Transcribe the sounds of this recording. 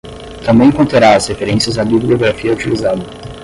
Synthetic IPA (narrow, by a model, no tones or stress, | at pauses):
t̪ɐ̃mbẽj̃kõnt̪ɾaɾaɐshefeɾẽsiɐzabiblioɡɾafiɐut͡ʃilizad̪ɐ